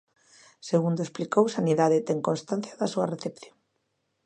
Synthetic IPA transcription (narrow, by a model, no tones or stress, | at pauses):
seɣund̪oesplikowsaniðaðet̪ɛŋkonst̪an̟θjaðasuareθepθjoŋ